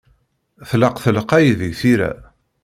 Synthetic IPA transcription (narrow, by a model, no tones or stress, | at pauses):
θləqθəlqæjðəʝθiɾæ̰